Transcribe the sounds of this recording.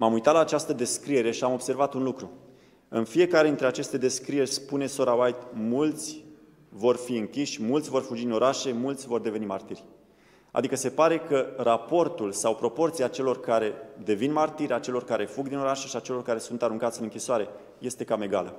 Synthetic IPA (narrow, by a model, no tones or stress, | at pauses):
mamujt̪at̪laːt͡ʃast̪əd̪e̞skɾije̞ɾe̞ʃiamo̞b̥se̞rvat̪unlukɾu | ɨnfie̞kaɾed̪int̪ɾeat͡ʃe̞st̪e̞d̪e̞skɾije̞rʲspune̞so̞ɾawajt̪mult̪sʲ | vo̞rfiɨŋkʲiʃʲmult̪sʲvo̞rfud͡ʒid̪ino̞ɾaʃe̞mult̪sʲvo̞rd̪e̞ve̞nimart̪irʲ | a̰d̪ikəse̞paɾe̞kərapo̞rt̪ulsawpɾo̞po̞rt̪siat͡ʃe̞lo̞rkaɾe̞d̪e̞vinmart̪iɾʲat͡ʃe̞lo̞rkaɾe̞fuɡd̪ino̞ɾaʃe̞ʃiat͡ʃe̞lo̞rkaɾe̞sunt̪aɾuŋkat̪sʲɨnɨŋkʲisoaɾe̞ | je̞st̪e̞kame̞ɡalə